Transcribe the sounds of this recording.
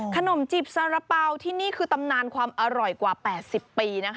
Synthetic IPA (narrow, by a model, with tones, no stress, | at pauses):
kʰa˧no˨˩˦mt͡ɕi˨˩p̚sa˧ɾa˧paː˧wt̪ʰiː˥˩niː˥˩kʰɯː˧t̪a˧mnaː˧nkʰwaː˧mʔa˧ɾɔ˨˩jkwaː˨˩pɛː˨˩t̪̚si˨˩pːiː˧na˦˥kʰ